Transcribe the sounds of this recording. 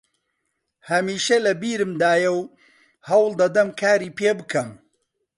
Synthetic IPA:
hɐmiːʃɐlɐbiːɾɨmd̪aːjɐw | hɐwlˠd̪ɐd̪ɐmkʰaːɾiːpʰeːbɨkʰɐm

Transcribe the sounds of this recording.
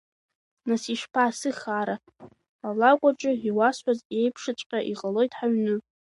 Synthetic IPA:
nasiʃpʰasɨχaɾa | alakʷʼaʈ͡ʂʼɨiwasħʷaze̞jpʰʂɨt͡ɕʷʼqʲʼaʔiʁʼalo̞jtʰʼħaɥnɨ

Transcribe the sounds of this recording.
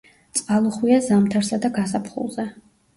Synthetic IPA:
t̪sʼqʼalˠuχwiazamt̪ʰaɾsad̪aɡasapʰχṵlˠzɛ

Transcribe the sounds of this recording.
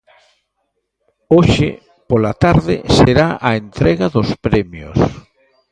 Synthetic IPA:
oʃḛ | polat̪aɾðɪ̰seɾaʔaent̪ɾɛɣaðʊspɾɛmjo̰s

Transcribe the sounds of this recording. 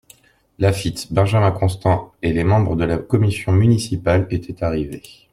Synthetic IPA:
lafit̪bɛ̃ʒamɛ̃kɔ̃st̪ɑ̃elemɑ̃bʁəd̪əlakɔmisjɔ̃mynisipalet̪ʰɛt̪aʁive

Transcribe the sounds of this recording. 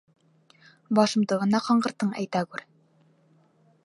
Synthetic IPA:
bɑʃɤ̆mt̪ɤ̆ʁɤ̆nɑqɑɴɢɤ̆ɾt̪ːɤɴæ̰jt̪æɡʉɾ

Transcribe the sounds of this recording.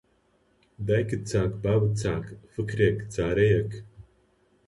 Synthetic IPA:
d̪ajkɨt̪̚t͡saːkbaːwɨt̪̚t͡sʰaːkfɨkʰɾʲekt͡saːɾejɐk

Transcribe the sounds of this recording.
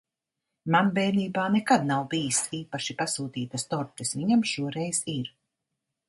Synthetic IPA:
manbɛːniːbaːnɛkad̪nawbijisiːpaʃipasuːt̪iːt̪ast̪ɔɾt̪ʲɛsviɲamʃuɔɾɛjz̥iɾ

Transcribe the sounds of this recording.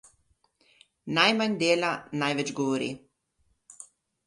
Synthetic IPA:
najmaɲd̪eːlanajʋɛd͡ʒɡɔʋɔɾḭ

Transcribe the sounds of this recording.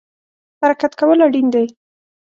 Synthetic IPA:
haɾakat̪kawəlaɽind̪aj

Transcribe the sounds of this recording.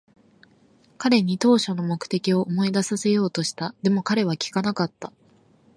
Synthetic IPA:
kaɾe̞ɲ̟it̪o̞ːɕo̞no̞mo̞kɯ̟̥t̪e̞kʲio̞ʔomo̞id̪asase̞jo̞ːt̪o̞ɕi̥t̪ad̪e̞mo̞kaɾe̞β̞akʲi̥kanakat̪ːa

